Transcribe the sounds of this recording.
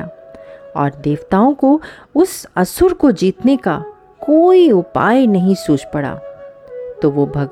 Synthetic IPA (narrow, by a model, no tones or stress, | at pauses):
aːɔ̰ːɾd̪eːʋt̪aːõkoʊsɐsʊɾkod͡ʒiːt̪neka | koːiʊpa̰ːjnɐɦĩsuːt͡ʃpɐɽa̰ː | t̪oʋobʱɐɡ